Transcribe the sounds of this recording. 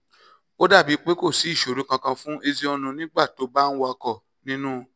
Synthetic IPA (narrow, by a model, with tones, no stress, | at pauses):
o˦da˦˨bi˨˦k͡pe˦ko˦˨si˨˦i˦˨ʃo˨ɾũ˨˦kã˧kã˧fũ˦e˧zi˧˦ɔ˧nũ˧nĩ˦ɡ͡ba˦˨to˨˦ba˦n̩˦wa˧kɔ˦˨ | nĩ˦nũ˦˧